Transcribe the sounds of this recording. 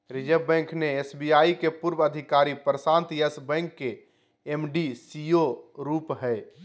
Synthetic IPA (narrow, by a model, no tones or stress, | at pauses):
ɾid͡ʒəbɛ̃ŋkʰneesbijaikepuɾbəd̪ʱikaɾipɾəsãnt̪jesbɛ̃ŋkːe | emɖisijoɾupɦɛɪ